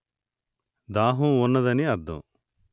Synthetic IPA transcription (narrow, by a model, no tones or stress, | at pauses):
d̪aːɦũɔnːɐd̪ɐniɐd̪ːɐ̰̃